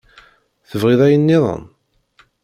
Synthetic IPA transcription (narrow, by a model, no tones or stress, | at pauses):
θəvʁiðˤæjənːɪðˤə̰n